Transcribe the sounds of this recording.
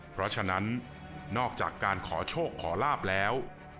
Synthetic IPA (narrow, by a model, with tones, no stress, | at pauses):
pʰɾɔ˦˥t͡ɕʰa˧na˦˥nː | ɔː˥˩k̚t͡ɕa̰ː˨˩kːaː˧nkʰɔː˩˦t͡ɕʰoː˥˩kʰːɔː˩˦laː˥˩p̚lɛː˦˥w